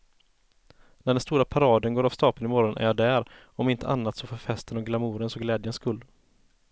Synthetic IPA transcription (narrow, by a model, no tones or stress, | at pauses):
næɖɛnst̪uːɾapʰaɾɑːd̪ənɡoːɾav̥st̪ɑːpənɪmɔɾɔnʔæ̰ɾjɑːd̪æɾ | ɔmɪnt̪ʰə̰ʔanːat̪sɔfoːɾfɛst̪ənɔɡlamuːɾənsɔɡlɛːd̪jənskɵlː